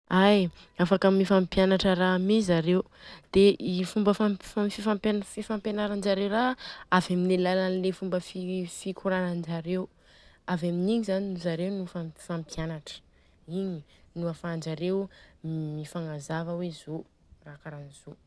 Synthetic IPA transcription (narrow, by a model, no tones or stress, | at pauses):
aj | afakamifampjanaʈ͡ʂəɾamizaɾew | d̪̥eʔifumbəfafifampnfifampjenaɾand͡ʒaɾewraavaminelalanlefumbəfifikʰuɾanand͡ʒaɾew | avaminiɲizaninuzaɾewnufafampjanaʈ͡ʂə̥ | iɲinuafand͡ʒaɾew | mifaŋazavəwezo | rakaɾanizo